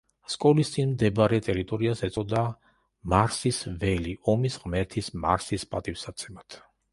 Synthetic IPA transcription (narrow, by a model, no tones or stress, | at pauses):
skʼɔlist̪sʼinmd̪ɛbɾɛt̪ʼɛɾit̪ʼɔɾiasɛt̪sʼɔd̪a | maɾsisvɛliɔmisʁmɛɾt̪ʰisma̰ɾsispʼat̪ʼifsat̪sʰɛmat̪ʰ